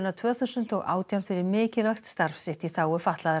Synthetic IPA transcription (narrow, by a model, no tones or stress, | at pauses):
nat̪ʰvœːθʏsʏn̥t̪ɔɣa̰ːwt̪jawnfɪɾɪɾmɪːcɪlvaxt̪st̪aɾfsɪht̪iθaːwʏfaht̪laðɪ